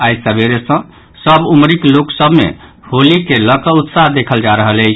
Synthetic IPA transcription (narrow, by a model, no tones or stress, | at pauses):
ajsabeɾesə̃ | səbumɾikloksəbmḛ | holikeləkəut̪saɦd̪ekʰəld͡ʒaɾəɦələt͡ʃʰ